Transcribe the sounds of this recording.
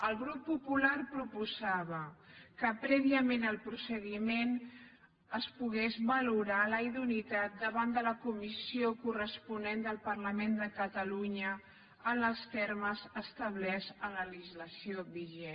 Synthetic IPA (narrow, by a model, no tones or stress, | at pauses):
əlˠɣɾupːupularpɾupuzaβəkəpɾɛβiəmenəlˠpɾusəɣimen | əspuɣ̞ezβəluɾaləiðunit̪at̪̚d̪əβand̪ələkumisiokurəspunend̪əlˠpərləmend̪əkət̪əluɲə | ənəlˠst̪ɛɾməzəst̪əβ̞lɛzənlələʒizləsioβiʒɛ